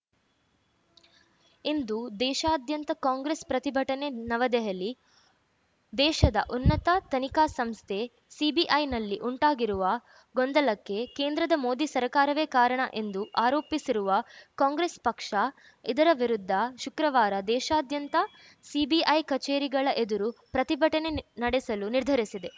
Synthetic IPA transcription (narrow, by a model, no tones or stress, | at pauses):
ind̪ud̪ɛːʃaːd̪ʱjɐnt̪ɐkaːŋɡɾespɾɐt̪ibʱɐʈɐnenɐʋɐd̪ɛɦɐlːi | d̪ɛːʃɐd̪ɐʔunːɐt̪ɐt̪ɐnikaːsɐmst̪ʰe̞ | sibiʔɐjnɐlːiʔuɳʈaːɡiɾuʋɐ | ɡɔnd̪ɐlɐkːe̞keːnd̪ɾɐd̪ɐmo̞ːd̪isɐɾkaːɾɐʋeːkaːɾɐɳɐ̰ʔe̞nd̪uʔaːɾoːpisiɾuʋɐkaːŋɡɾespɐkʂɐ | id̪ɐɾɐʋiɾud̪ʱːɐʃukɾɐʋaːɾɐd̪ɛːʃaːd̪jɐnt̪ɐ | sibiʔɐjkɐt͡ʃeːɾiɡɐɭɐʔe̞d̪uɾupɾɐt̪ibʱɐʈɐne̞nɐɽɛsɐluniɾd̪ʱɐɾisid̪e̞